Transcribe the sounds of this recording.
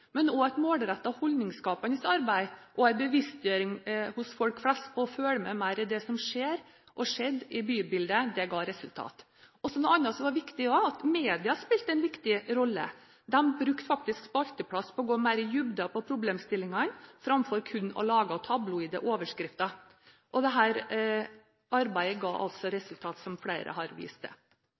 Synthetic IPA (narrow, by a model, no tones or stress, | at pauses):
mɛnɔæɪt̪moːlɾæt̪ːɑhɔld̪nɪŋskɑːpənəsɑɾbæɪʔɔæɪbəʋɪst̪jøːɾɪŋhʊsfɔlkflɛst̪pʰɔːføːləmɛmæɪɾɪd̪ɛsɔmʂeːɾ | ʔɔʂɛd̪ːɪbyːbɪld̪əd̪ɛɡɑːɾɛsʉlt̪ʰɑ̰ːt̪ | ɔsɔnɔɑnːɑt̪sɔʋɑɾʋɪkt̪ɪɔɑt̪meːd̪ɪɑspɪlt̪əænʋɪkt̪ɪɾɔlːə̰ | d̪ɛmbɾʉkt̪fɑk̚t̪ɪskspɔɑlt̪əpʰɽɑspʰɔɔɡoːmæɪɾəjʉbd̪ɑpʰɔpʰɾʊbleːmst̪ɪlːɪŋɑnfɾɑmfɔɾkʰʉnːɔ̰lɑːɡɑt̪ʰɑblʊɪd̪əʔoːʋəʂkɾɪft̪ɑ | ʔɔd̪ɛɦæːɾ | ʔɑɾbæɪəɡɑ̰ːʔɑ̰lt̪sɔɾɛsʉlt̪ʰɑːt̪sɔmfɽæɪɾə̰hɑɾʋḭːst̪ə̰